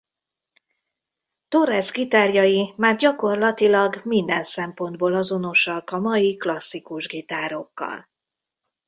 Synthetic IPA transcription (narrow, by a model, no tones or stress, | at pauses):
t̪orɛzɡit̪aːrjɒjimaːrɟɒko̞rlɒt̪ilɒɡmind̪ɛnsɛmpo̞nd̪̚boːlɒzo̞no̞ʃɒkɒmɒjiklɒsːikuʒɡit̪aːɾo̞kːɒ̰l